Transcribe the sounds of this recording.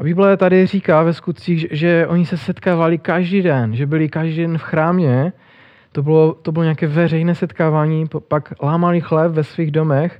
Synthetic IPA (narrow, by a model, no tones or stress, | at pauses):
abiːblɛt̪adɪr̝iːkavɛskut̪̚t͡siːɣʒɛʔoɲisɛsɛt̪kaːvalɪkaʒdiːdɛnʒɛbɪlɪkaʒdiːdɛnfxɾaːmɲɛ | t̪obɪlot̪obɪloɲeaːkɛːvɛrɛjnɛːsɛt̪kaːvaːɲiːpaklaːmalɪxlɛpvɛsviːɣdomɛx